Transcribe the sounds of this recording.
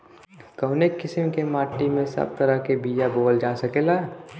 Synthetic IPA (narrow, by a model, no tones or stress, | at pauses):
kəʊnekːɪsɪmkemaːʈːimẽsɐ̰b̚t̪ɐɾəkebiːd͡ʒaboːld͡ʒaːsɐkeːlaɦɛ